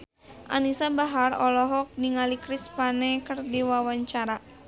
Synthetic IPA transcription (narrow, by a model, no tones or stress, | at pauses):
ʔa̰nisabaɦarɔlɔɦɔk̚niŋalikɾispanɛkɨrdiwawaɲt͡ʃaɾa